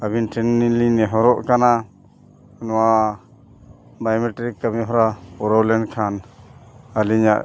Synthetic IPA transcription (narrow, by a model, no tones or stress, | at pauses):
abinʈʰɛnːilinɛɦɔɾɔʔkana | nɔwa | bajmɛʈɾikːamiɦɔɾapɔɾɔwlɛnkʰan | aliɲaʔ